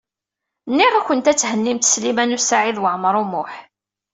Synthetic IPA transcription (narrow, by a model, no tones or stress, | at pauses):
nːiʁæçʷənt̪æt͡sːhənːimt̪ə̥slimænusaʕiðwəʕmɾˤʊmʊħ